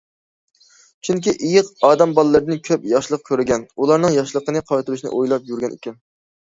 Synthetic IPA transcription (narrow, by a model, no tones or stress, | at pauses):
t͡ʃʰyŋkʲiʔijɪqɑːd̪ɛmbɑlˠɨlːəɾd̪ɨnkʲʰøpjɑʃlˠəq̚kʲʰøɾɪɡʲɛnulˠɑɾnɨŋjɑʃlˠəqənɨqʰɑwt̪ɨɾyʃinɨ̰ʔojlˠɑp̚jyɾɡʲɛnʔḭkʲʰɛn